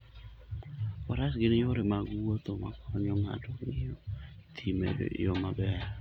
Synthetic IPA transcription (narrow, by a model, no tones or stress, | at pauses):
waɾasɡenejoɾemaɡuot̪oma̰kɔɲɔŋa̰doŋejot̪ʰimḛdḛʔjomabɛa